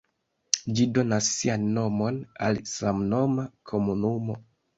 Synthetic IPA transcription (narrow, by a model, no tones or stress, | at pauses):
d͡ʒido̞nasːianːo̞mo̞na̰lsamno̞makʰo̞munumo̞